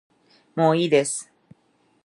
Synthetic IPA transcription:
moːiːd̪esɨ̥

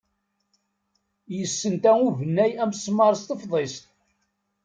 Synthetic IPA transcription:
jəsːənt̪æuvənːæjæmsmɑɾˤəst̪əfðˤest̪̚

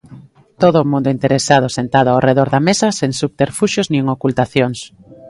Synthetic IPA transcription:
t̪oðʊmũnd̪ʊint̪eɾesað̞osent̪aðʊawreðoɾðɐmesɐseŋsuβ̚t̪eɾfuʃʊznĩeŋokult̪aθjoŋs

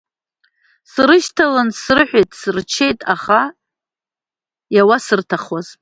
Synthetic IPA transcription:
srɨʃtʰalɨnsrɨħʷᶣejtʼsɨrt͡ʃʰe̞jtʼaχa | jawasɨrtʰaχwaz̥

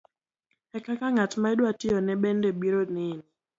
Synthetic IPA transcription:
ɛkakaŋatmaɛdwatɪɔnɛɓɛndɛbiɾonɪni

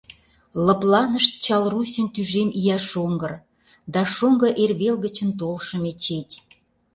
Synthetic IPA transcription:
lə̆plɑnəʃt̪̚t͡ɕɑlrusʲənt̪yʒemijɑʃoŋɡə̆r | d̪ɑʃoŋɡə̆ʔerβelɣə̆t͡ɕə̆nt̪olʃə̆met͡ɕet̪ʲ

